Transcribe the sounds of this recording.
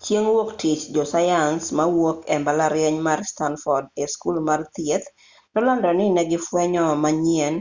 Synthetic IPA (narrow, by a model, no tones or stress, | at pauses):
t͡ʃjeŋwoktɪt͡ʃd͡ʒɔsajansmawokɛmbalaɾjɛɲmarstanfɔrdeskulmart̪jet̪ | nɔlɔndɔnɪnɛɡɪfwɛɲɔmaɲiɛn